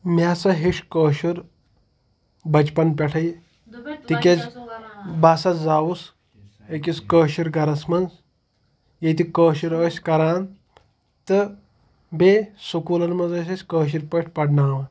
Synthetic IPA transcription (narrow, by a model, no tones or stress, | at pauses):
masɐɦeʂkəːɕuɾ | bɐt͡ʃpɐnpʲɛʈʰɐj | t̪ikʲet͡s | baːsɐd͡zawus | ekʲiskəːʃiɾɡʱɐɾɐsmɐnz | jet̪ikəːʃuɾəsʲkɐɾaːn | t̪ɨ | besukuːlɐɾmɐd͡zɐs̬esʲkəːɕ̬iɾpəʈʰʲpɐɽnaːʋɐ